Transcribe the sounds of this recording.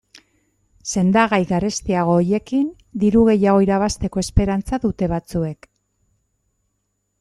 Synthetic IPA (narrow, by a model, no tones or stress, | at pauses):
se̞nd̪aɣajɣarest̪iaɣ̞o̞ːje̞kin | d̪iɾuɣ̞e̞jaɣ̞o̞iɾaβ̞ast̪e̞ko̞e̞spe̞ɾant͡saðut̪e̞βat͡sue̞k